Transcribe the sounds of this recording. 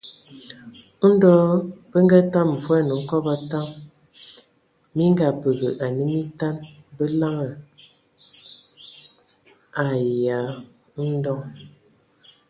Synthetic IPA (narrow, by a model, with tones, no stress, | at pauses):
n̩˦dɔ˦b̥ə˦ŋɡa˦ta˦m̩˨vwa˦˨nə˨ŋ̩˦kɔ˦ba˦ta˦m | mi˦ŋ˦ɡa˨pə˨ɣə˨ʔa˨nə˦mi˦ta˦nbə˦la˦ŋə˨ | a˨ja˨˦ | n̩˦dɔ˦ŋ